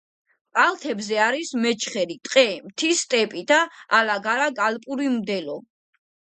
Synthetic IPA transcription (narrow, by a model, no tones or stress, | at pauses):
pʼalt̪ʰɛbzɛaɾismɛt͡ʃʰχɛlit̪ʼqʼɛmt̪ʰist̪ʼɛpʼid̪̥aːlaɡaɾaɡalpʼuɾimd̪ɛlɔ